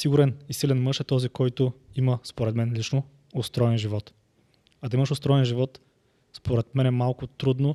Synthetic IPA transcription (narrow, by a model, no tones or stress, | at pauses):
siɡʊɾɛnisilɛnmɤʃɛt̪ɔzikɔjt̪ʊiməspoɾɛt̪mɛnlit͡ʃno | ost̪ɾɔjɛnʒivɔt̪ | ɐd̪ɐiməʃost̪ɾɔjɛnʒivɔt̪ | spoɾɛt̪mɛnɛmalˠkʊt̪ɾud̪no